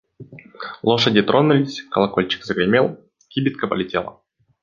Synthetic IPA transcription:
lˠoʂədʲɪt̪ɾonʊlʲɪsʲkəlˠɐkolʲt͡ɕɪ̥kzəɡɾʲɪmʲelˠ | kʲibʲɪt̪̚kəpə̰lʲɪtʲelˠə̰

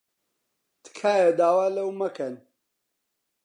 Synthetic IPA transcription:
t̪ʰɨ̥kʰaːjɐd̪aːwaːlɐwmɐkʰɐn

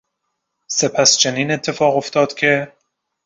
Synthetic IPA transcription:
se̞pʰæst͡ʃʰeniːne̞t̪ʰːe̞fɒːɣo̞ft̪ɒːd̪̥cʲʰe̞

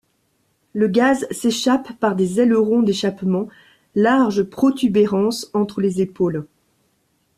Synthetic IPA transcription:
ləɡazseʃapːaʁd̪ezɛləʁɔ̃d̪eʃapmɑ̃ | laʁʒpχɔt̪ʰybeʁɑ̃sɑ̃t̪χəlezepoːl

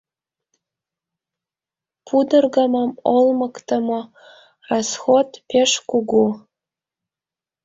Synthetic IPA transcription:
pʰudɨrɡamamolmakʼtʰamo | rasχotʰʼpʰeʂkʷʰʼʊɡʷu

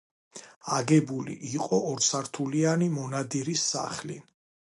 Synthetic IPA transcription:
aɡɛbulḭʔiqʼɔɔɾsaɾt̪ʰulianimɔnad̪iɾisːa̰χli

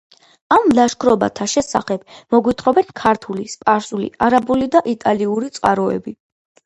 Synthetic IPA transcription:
amlaʃkʰɾɔba̰t̪ʰaʃɛsa̰χɛbmɔɡwit̪ʰχɾɔbɛnkʰaɾt̪ʰulispʼaɾsulḭaɾabulid̪aʔit̪ʼaliuɾit̪sʼqʼaɾɔɛ̰bi

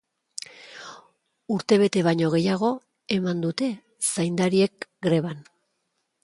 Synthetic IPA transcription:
uɾt̪e̞β̞e̞t̪e̞βaɲo̞ɣ̞e̞jaɣ̞o̞ | e̞mand̪ut̪e̞ | sajnd̪aɾie̞kɡɾe̞β̞an

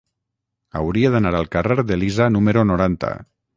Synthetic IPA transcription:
a̰wɾiaðanaɾalˠkareɾðelizanumeɾonoɾant̪a̰

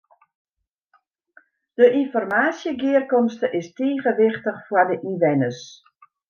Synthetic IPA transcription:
d̥əʔinfɔrmaːsjəɡɪːərkɔmstəʔɪsteːɣəʋɪxtəxfwardəʔiʋɛnəs

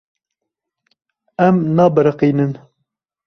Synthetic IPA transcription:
ɛmnɑːbəɾəqiːnɨn

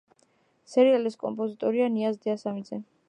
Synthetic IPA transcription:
sɛɾialiskʼɔ̰mpʼɔzit̪ʼɔɾianiazd̪ɛasamid̪zɛ

